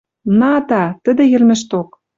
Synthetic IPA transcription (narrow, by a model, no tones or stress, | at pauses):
nɑt̪ɑt̪ə̆d̪ĕjɘ̆rmĕʃt̪ok̚